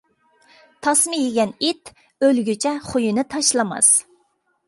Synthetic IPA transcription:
t̪ʰɑsmɨjeɡʲɛnit̪ | ølɡʲyt͡ʃʰɛχujinɨt̪ʰɑʃlˠɑmɑ̰s

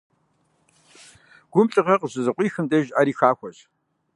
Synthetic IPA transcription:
ɡ̥ʷʊmɬʼɨʁɐqəʑɨzɨqʷʼiːxɨmdɐʒaːɾiːxaːxʷɔʑ

